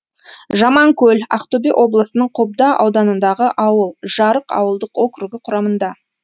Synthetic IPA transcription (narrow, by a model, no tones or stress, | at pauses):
ʒɑmɑŋkʲʰɵlʲɑ̰qt̪obiʔo̞blˠəsənəɴqʰob̚d̪ɑʔɑ̰wd̪ɑnənd̪ɑʁəʔɑwəlˠʒɑɾəqɑ̰wəlˠd̪əqwo̞kɾuɡʲɪqʰʊɾɑmənd̪ɑ